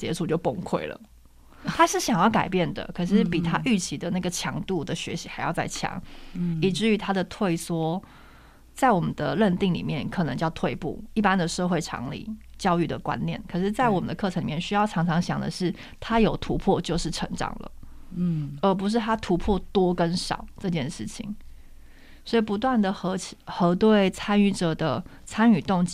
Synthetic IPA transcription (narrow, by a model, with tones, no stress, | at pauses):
t͡ɕjɛ˧˥ʂʰu˥˧t͡ɕjo˥˧ʊpʊ˥˧ŋkʰwe˥˩ɪlə̰˩ | t̪ʰa˥ʂɻ̩˥˩ɕjɑ˨˩ŋjɑ˥˩ka˨˩ɪpjɛ˥˩nd̪ə̰˩kʰɤ˨˩ʂɻ̩˥˩pi˨˩t̪ʰa˦˥ʔy˥˩t͡ɕʰi˧˥d̪ə˨na˥˩ɡə˩t͡ɕʰjɑ̰˧˥ŋt̪u˥˩d̪ə˩ɕɥɛ̰˧˥ɕi˧˥xa˧˥ɪjɑ˥˧ʊt͡sa˥˩ɪt͡ɕʰjɑ̰˧˥ŋi˨˩ʈ͡ʂɻ̩˥˩y˧˥t̪ʰa˥d̪ə˨t̪ʰwe˥˩ɪswɔ˥ | t͡sa˥˩ɪwɔ˨˩mə˦nd̪ə˧ɻə˥˧nt̪i˥˩ŋlḭ˨˩mjɛ˥˩nkʰɤ˨˩nə˧˦ŋt͡ɕjɑ˥˧ʊt̪ʰwe˥˧ɪpṵ˥˩i˥˩pa˦nd̪ə˨ʂɤ˥˧xwe˥˩ɪʈ͡ʂʰɑ̰˧˥ŋlḭ˨˩t͡ɕjɑ˥ʊy˥˩d̪ə̰˩kwa̰˦njɛ̰˥˩nkʰɤ˨˩ʂɻ̩˥˧t͡sa˥˩ɪwɔ˨˩mə̰˦nd̪ə˧kʰɤ˥˩ə˧ŋli˨˩jʲɛ˥˩ɕy˥jɑ˥˩ʊʈ͡ʂʰɑ˧˥ŋʈ͡ʂʰɑ˧˥ŋɕjɑ̰˨˩ŋd̪ə̰˦ʂɻ̩˥˩ | t̪ʰa˥jo˨˩ʊt̪ʰu˧˥pʰwɔ˥˧t͡ɕjo˥˧ʊʂɻ̩˥˩ʈ͡ʂʰɤ˧˥ŋʈ͡ʂɑ̰˨˩ŋlə̰˩ | ə˞˧˥p̬u˧˥ʂ̬ɻ̩˥˩t̪ʰa˥t̪ʰu˧˥pʰwɔ˥˩t̪wɔ˥kə˦nʂɑ̰˨˩˦ʊʈ͡ʂɤ˥˧t͡ɕjɛ˥˧nʂɻ̩˥˩t͡ɕʰḭ˨˩ŋ | swɔ˧˥i˨˩pu˧˥t̪̬wa˥˩nd̪ə˩xɤ˧˥t͡ɕʰi˨˩xɤ˧˥t̪we˥˩ɪt͡sʰa˥ny˥˩ʈ͡ʂɤ˨˩d̪ə˩ | t͡sʰa˥ny˨˩t̪ʊ˥˩ŋt͡ɕ